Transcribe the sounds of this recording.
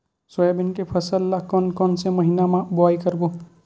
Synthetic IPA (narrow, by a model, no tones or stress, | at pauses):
swɔjabɪnkepʰɐsəlːakɔnkɔnseməɦinamãbʊaːikəɾbo